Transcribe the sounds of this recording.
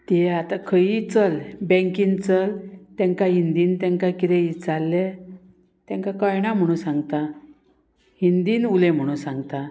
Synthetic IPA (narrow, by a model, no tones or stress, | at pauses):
t̪eat̪akʰəit͡səlbɛ̃ŋkiːnt͡səlt̪ɛ̃ŋkaɦind̪iːnt̪ɛ̃ŋkakit̪ẽit͡salːe | t̪ɛ̃ŋkakajɳam̤əɽ̃ũːnsãŋɡt̪a | hind̪iːnulem̤əɽ̃ũːnsãŋɡt̪a